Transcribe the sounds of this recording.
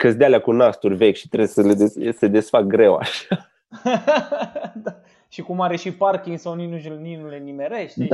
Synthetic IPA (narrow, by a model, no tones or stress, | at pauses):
kəsd̪ealeakunast̪urʲvekʲʃi̥t̪ɾesəled̪esed̪e̞sfak̚ɡɾe̞wa̰ʃa | d̪a | ʃikumaɾe̞ʃiparkʲiŋɡsawninuʒulninulenime̞ɾeʃt̪ʲ